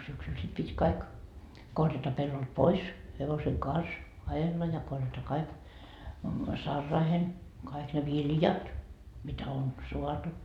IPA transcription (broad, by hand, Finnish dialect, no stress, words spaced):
syksyl sit pitʲ kɑik korjɑtɑ pelːolt pois heʋoseŋ kɑns ɑjelːɑ jɑ korjɑtɑ kɑik sɑrːɑːhen kɑik ne ʋiljɑt mitæ on soɑtu